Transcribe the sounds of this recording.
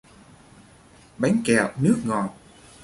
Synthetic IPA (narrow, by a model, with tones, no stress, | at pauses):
ɓa˨˦jŋkɛ˨˩˨wnɨ˦˥ək̚ŋɔ˨˩t̚